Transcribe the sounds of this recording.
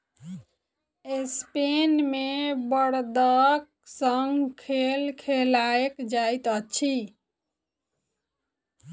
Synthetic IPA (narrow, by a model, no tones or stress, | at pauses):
espenmebəɽd̪ək̚ | səŋɡkʰelkʰelaekd͡ʒajt̪ət͡ʃʰi